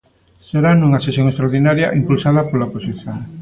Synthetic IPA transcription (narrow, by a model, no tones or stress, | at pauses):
seɾanuŋɐsesjõŋest̪ɾaoɾðinaɾjɐ̰ʔimpulsaðɐpolaoposiθjoŋ